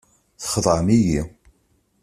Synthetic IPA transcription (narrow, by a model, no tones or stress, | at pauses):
θχəðˤʕəmiji